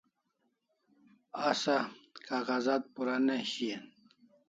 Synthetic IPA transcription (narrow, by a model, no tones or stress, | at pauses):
asakaɣazat̪̚puɾaneɕien